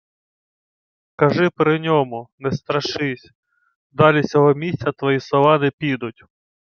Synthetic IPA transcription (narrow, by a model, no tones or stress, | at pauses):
kɐʒɪpɾɪnʲɔmʊnɛst̪ɾɐʃɪsʲ | d̪ɑlʲit͡sʲɔɦɔmʲisʲtt͡sʲɐt̪ʋɔjisɔʋɑnɛpʲid̪ʊtʲ